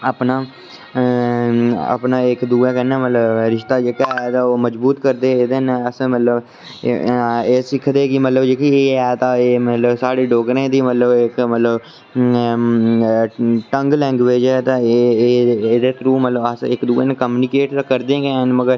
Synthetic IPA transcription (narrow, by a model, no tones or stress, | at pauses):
əpnaː | ə̰pnaːɪkd̪uːɛːkɛnɛːmət̪ləbɾɪʃt̪aːd͡ʒeːkaːɛt̪ãːoːməd͡ʒbuːt̪kəɾd̪eːeːd̪enəsːmət̪ləb | eːsɪkʰd̪eːkɪmət̪ləbd͡ʒeːkieːɛːt̪ãːeːmət̪ləbsaːɽeːɖoːkɾẽːd̪iːmət̪ləbɪkmət̪ləb | ʈəŋɡlɛ̃ːŋɡʋeːd͡ʒɛːt̪ãː | d̪eːt̪ʰɾuːmət̪ləbəsɪkd̪uːeːnːkəmjuːnɪkeːʈt̪ãːkəɾd̪ẽːɡeːnməɡəɾ